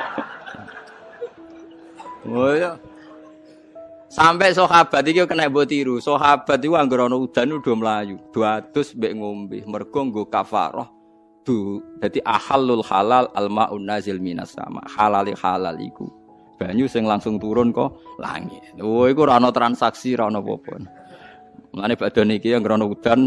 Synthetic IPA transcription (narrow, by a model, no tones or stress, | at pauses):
wojɔ | sampɛʔsɔhab̥a̤t̪ikiukənɛʔbot̪iɾusɔɦab̥a̤t̪ikuaŋɡoɾanɔud̪̥a̤nud̪̥ɔməlajud̪̥ṳad̪̥ʊ̤sbɛʔŋombɪ̰hmərɡ̥ɔ̤ŋɡokafa̰ɾɔ̰h | d̪̥od̪̥a̤d̪iʔahalːulxalalalmaʔunːazɪlmina̰sa̰ma̰halalixala̰lḭkṵ | b̥a̤ɲusɪŋlaŋsʊŋt̪uɾʊnkɔla̰ŋɪ̰t̪wikuɾanɔt̪ɾansaksiɾanɔpɔ̰pɔn | məlaneb̥a̤d̪̥ɔ̤nikiaŋɡəɾɔnɔud̪̥a̤n